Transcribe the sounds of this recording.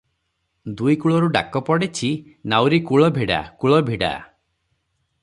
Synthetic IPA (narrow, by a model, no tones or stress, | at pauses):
d̪ujkuɭɔɾuɖa̰kɔpɔɽet͡ʃʰi | nawɾikuɭɔbʱiɽa̰kuɭɔbʱiɽa̰